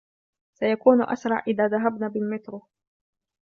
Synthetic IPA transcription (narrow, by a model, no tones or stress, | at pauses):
sajakuːnʔa̰sɾˤɑʕʔɪðaːðaɦabnaːbɪlmɪt̪ɾʊ